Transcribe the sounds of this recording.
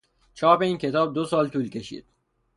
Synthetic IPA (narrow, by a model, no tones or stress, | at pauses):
t͡ʃʰɒːbe̞iːncʰe̞t̪ʰɒːb̚d̪osɒːlt̪ʰuːlcʲʰe̞ʃḭːd̪̥